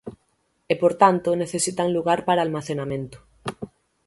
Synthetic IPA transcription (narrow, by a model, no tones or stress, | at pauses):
epoɾt̪ant̪oneθesit̪aŋluɣaɾpaɾaːlmaθenamẽnt̪o̥